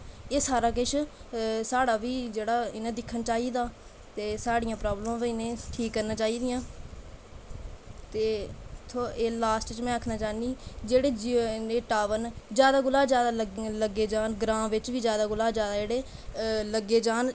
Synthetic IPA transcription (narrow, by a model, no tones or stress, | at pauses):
eːsaːɾaːk̬ɪʃʰsaːɽaːʋiːd͡ʒeːɽaːɪnẽːd̪ɪkʰːənt͡ʃaːiːd̪aː | t̪eːsaːɽɪjãːpɾaːblmãːʋiɪnẽːʈʰiːkːəɾnãːt͡ʃaːiːd̪ɪjãː | t̪eːt̪ʰːeːlaːsʈt͡ʃmɛ̃ːəkʰnãːt͡ʃaːnd̪iːd͡ʒeːɽeːd͡ʒieːʈaːʋənd͡ʒjaːd̪aːɡʊlaːd͡ʒjaːd̪aːləɡeːd͡ʒaːnɡɾãːʋɪt͡ʃʋiːd͡ʒjaːd̪aːɡʊlaːd͡ʒjaːd̪aːd͡ʒeːɽeː | ləɡːeːd͡ʒaːn